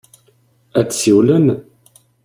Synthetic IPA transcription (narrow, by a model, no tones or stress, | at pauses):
æt͡sːsiwlən